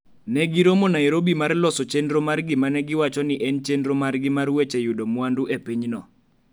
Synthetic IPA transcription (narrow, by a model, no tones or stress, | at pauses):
nɛɡiɾomonaeɾobimarlɔsɔt͡ʃendɾomarɡɪmanɛɡɪwat͡ʃɔnɪʔɛnt͡ʃendɾomarɡɪmarwet͡ʃejudomwanduepiɲnɔ